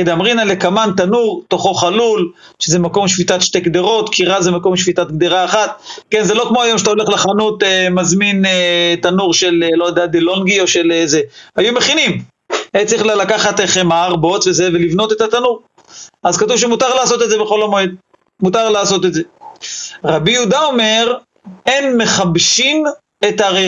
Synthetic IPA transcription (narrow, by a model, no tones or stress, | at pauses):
ed̪amʁinalekamant̪anuʁt̪oχoχalul | ʃezemako̞mʃvit̪at̪ʃt̪ekd̪eʁo̞t̪kiʁazemako̞mʃvit̪at̪̚ɡ̚d̪eʁaːχat̪kenzelo̞kmo̞ajo̞mʃet̪ao̞le̞χlaχanut̪emazminet̪anuʁʃe̞lelojad̪ead̪elo̞nɡio̞ʃelezeajume̞χinim | ent͡sʁiχlalakaχat̪eχemaaʁbo̞tvezevelivno̞t̪e̞t̪at̪anuʁ | azkat̪uvʃ̬emut̪aʁlaːso̞t̪edzebeχo̞lamoed̪̚ | mut̪aʁlaːso̞t̪e̞tze | ʁabijud̪ao̞me̞ʁ | enme̞χabʃim | et̪aʁe